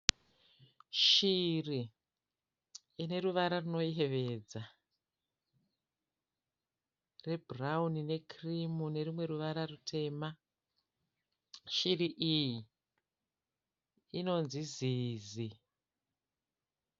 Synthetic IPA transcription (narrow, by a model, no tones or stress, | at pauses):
ʃiri | ne̞ɾuʋaɾaruno̞iɦe̞ʋe̞ːd͡za | re̞braunine̞kʰrimune̞rimwe̞ɾuʋaɾarutʰe̞ma | ʃiriʔiji | no̞nziziːzi